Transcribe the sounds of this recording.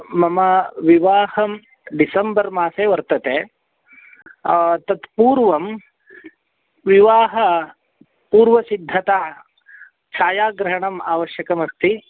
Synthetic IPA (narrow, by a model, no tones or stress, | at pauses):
mɐmɐʋiʋaːhɐm | ɖisɐmbɐɾmaːseːʋɐɾt̪ɐt̪eː | t̪ɐt̪puːɾʋɐm | ʋiʋaːɦɐ | puːɾʋɐsid̪ʱːɐt̪aː | t͡ʃʰaːjaːɡɾɐɦɐɳɐmaːʋɐʃjɐkɐmɐst̪i